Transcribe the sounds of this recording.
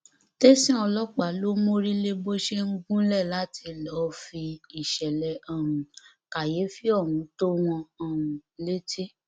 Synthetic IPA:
te˦sĩ˦ɔ˧lɔ˦k͡pa˨˦lo˦mo˦ɾi˦le˦bo˦ʃe˦ŋ̩˦ɡũ˦lɛ˦˨la˨˦tʰi˧lɔ˨˦fi˧i˨ʃɛ˨lɛ˨ã˦˨ũ˨ | ka˨je˨˦fi˦ɔ˦˨wũ˨˦to˦w̃ɔ̃˧ã˨ũ˨le˦tʰi˦

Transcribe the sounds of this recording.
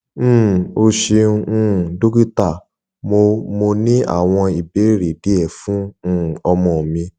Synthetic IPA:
o˧ʃẽ˧ũ˦˨do˦ɡi˦ta˦˨ | mo˧mo˧nĩ˦a̰˦˨w̃ɔ̃˧i˨be˨˦ɾe˨di˨˦ɛ˦˨fũ˦˨ɔ˧mɔ̃˧˨mĩ˧

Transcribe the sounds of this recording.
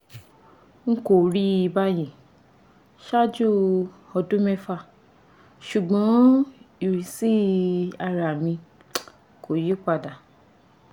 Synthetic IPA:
ŋ̩˦ko˨ɾi˦i˧ba˦jẽ˨ | ʃa˦d͡ʒu˦ | ɔ˧dũ˦mɛ˦fa˦˨ | ʃu˨ɡ͡bɔ̃˨˦i˨ɾi˨si˦a˧ɾa˨mĩ˧ | ko˨ji˦k͡pa˧˨da˨

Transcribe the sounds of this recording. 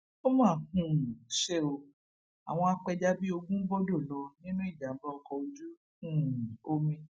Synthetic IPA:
o˦mãː˦˨hũ˦˨ʃe˦o˧ | a̰˨w̃ɔ̃˧a˧k͡pɛ˧d͡ʒa˦bi˦o˧ɡũ˦bɔ˦do˦˨lɔ˧nĩ˦nũ˦i˦˨d͡ʒa˨m̩˦bɔ˦ɔ˧kɔ˧o˧d͡ʒu˦ | hũ˦˨o˧mĩ˧

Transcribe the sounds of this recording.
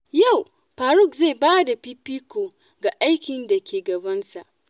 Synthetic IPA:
ja˦˨w | ɸaː˨ɾʊ˦˨kze˦˨baː˦da˨ɸiː˦piː˦kʷo˨ | ɡa˨ʔa˦jkʲɪ˨nda˨kʲeː˨ɡɐ˨bɐ˦nsa˨ʔ

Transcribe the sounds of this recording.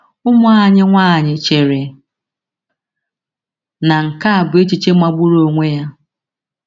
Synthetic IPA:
ʊ˦mʊ˦a˨ɲɪ˦ŋʷaː˦˨ɲɪ˨t͡ʃe˨ɾe˨ | na˨ŋ̩˨ka˦a˨bʊ˨e˦t͡ʃi˨t͡ʃe˦ma˦ɡ͡bʊ˦ɾo˦ŋʷe˦ja˦

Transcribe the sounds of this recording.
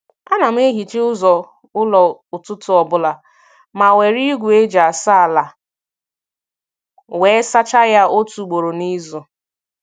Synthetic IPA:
a˦na˨m̩˦e˦ɦi˨t͡ʃe˦ʊ˦zɔ˨ | ʊ˦lɔ˨ʊ˨tʊ˦tʊ˨ɔ˨bʊ˦la˨ | ma˨we˨ɾi˦ɡʷu˨e˦d͡ʒa˨a˨sa˦a˨la˨ | we˨˦sa˦t͡ʃa˦ja˦o˦tu˨ɡ͡bo˨ɾo˨ni˦zɔ˨

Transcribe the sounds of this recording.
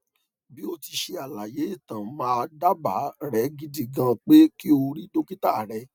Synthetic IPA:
bi˦o˧ti˧ʃe˧a˨la˨je˨˦i˦˨tã˨mãː˨˦˧da˦ba̰˨˦ɾɛ˨˦ɡi˧di˨ɡã˧k͡pe˦ki˦o˧ɾi˦do˦ki˦ta˦˨ɾɛ˧˦

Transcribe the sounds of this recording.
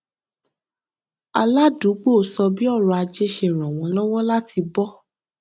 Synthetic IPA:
a˧la˦du˨˦ɡ͡bo˦˨sɔ˧bi˦ɔ˦˨ɾɔ˧a˧d͡ʒe˦ʃe˧˨ɾ̃ɔ̃˨w̃ɔ̃˨˦lɔ˦wɔ˦la˦ti˧bɔ˦

